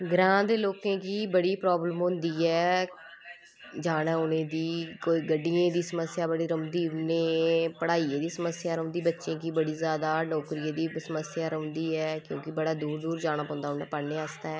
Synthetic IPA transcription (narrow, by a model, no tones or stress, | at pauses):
ɡɾãːd̪eːloːkẽːkiːbəɽiːpɾɔːbləmɦʊ̃nd̪iːɛː | d͡ʒaːnaːʊnẽːd̪iːkoːiːɡəɖːiẽːd̪iːsəməsjaːbəɽiːɾəd̪iːnẽːpəɽaːiːeːd̪iːsəməsjaːɾəɦʊ̃ːnd̪iːbətːʃẽːkiːbəɽiːzjaːd̪aːnɔːkɾiːẽːd̪iːsəməsjaːɾəɦʊ̃ːnd̪iːɛːkjõːkɪbəɽaːd̪uːɾd̪uːɾd͡ʒaːñaːpɔ̃ːnd̪aːɦʊnaːpəɾneːəst̪aːɛː